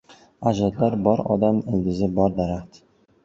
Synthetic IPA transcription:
ad͡ʒɒd̪laɾbɒɾɒ̰d̪amɪlɡʲɪzɪbɒɾd̪aɾaχt̪

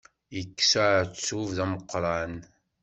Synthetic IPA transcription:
əkːsaʕt͡sːuvðæməqːɾˤɑn

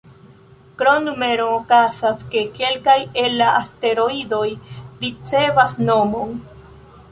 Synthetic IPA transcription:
kɾonːume̞ɾoːkazaske̞ke̞lkajelaaste̞ɾo̞ido̞jɾit͡se̞vasnomo̞n

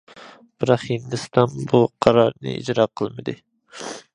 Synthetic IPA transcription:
b̥ɪɾɑχhind̪ɨst̪ʰɑnbuqʰɑɾɑɾnɨ̰ḭd͡ʒɾɑqʰəlˠmɨd̪ɨ

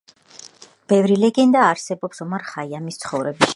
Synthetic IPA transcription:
b̥ɛvɾilɛɡɛnd̪aːɾsɛbɔpsɔmaɾχaiamist̪sʰχɔvɾɛbi

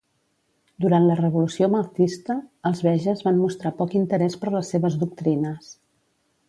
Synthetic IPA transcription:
d̪uɾant̪lərəβulusioməwt̪ist̪əːlˠzβɛʒəzβanmust̪ɾapɔkint̪əɾɛspəɾləsːeβəzðuk̚t̪ɾinəs

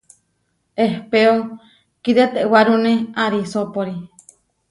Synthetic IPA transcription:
ehpeo | kiɾet̪eʔwaɾunẽaɾisopoɾi

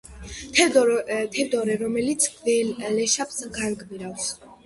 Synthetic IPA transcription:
t̪ʰɛd̪ɔɾɛɾɔmɛlit̪sʰɛlɛʃapsɡaɾɡbiɾafs

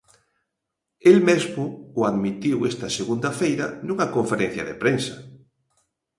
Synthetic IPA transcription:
elmezmʊːaðmit̪iwest̪ɐseɣund̪ɐfejɾɐnuŋɐkoɱfeɾen̟θjɐ̰ðepɾensɐ̥

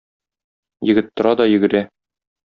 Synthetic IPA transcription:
jɘ̆ɡɘt̪ːŏɾɑd̪ɒjɘ̆ɡɘ̆ɾæ

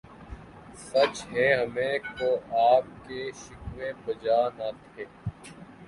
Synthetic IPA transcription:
sɐt͡ʃɦɛɦɐmẽkoːaːp̚keʃʊkʋẽbɐd͡ʒaːnat̪ʰeː

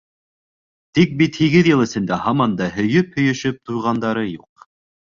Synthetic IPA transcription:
t̪ik̚bit̪hiɡɘðjɤ̆lˠɘ̆sɘ̆nd̪æhɑmɑnd̪ɑhɵ̆jɵphɵ̆jɵ̆ʃɵp̚t̪ujʁɑnd̪ɑɾɤjuq̚

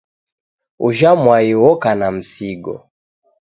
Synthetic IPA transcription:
uʒamwaiwɔkanam̩siɡɔ̰

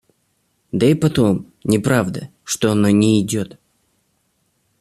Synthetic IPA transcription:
d̪əipɐt̪o̞m | nʲɪpɾavd̪ə | ʂt̪oɐnonʲɪːdʲot̪

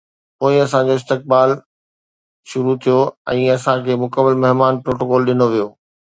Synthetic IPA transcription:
poːɪɐsãd͡ʑoɪs̬t̪ɪk̚baːl | ʃʊɾut̪ʰijoɛ̃ːɐsãkʰeːmʊkəmːəlmɐɦmaːnpɾoːʈoːkɔːlɗɪnoʋijoː

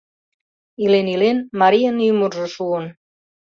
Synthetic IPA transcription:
ilenilenmaɾiənymurʒoʃuən

